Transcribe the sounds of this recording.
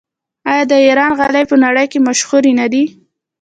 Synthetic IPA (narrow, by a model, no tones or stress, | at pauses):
ɑjɑd̪əiɾɑnɣalajpənaɽəjkemaʃɣuɾinad̪i